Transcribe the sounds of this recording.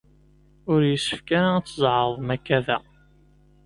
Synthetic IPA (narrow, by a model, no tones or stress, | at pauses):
ʊɾjəsːə̥fkæɾat͡sːəzˤʕəðˤmækːæðæ